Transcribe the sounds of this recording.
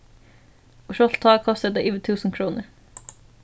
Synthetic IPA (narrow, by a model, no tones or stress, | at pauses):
ʊʃɔt̪t̪ʰɑːɡkʰɔst̪ət̪eːʔyːʋət̪ʰʉːsn̩kʰɾuːnəɾ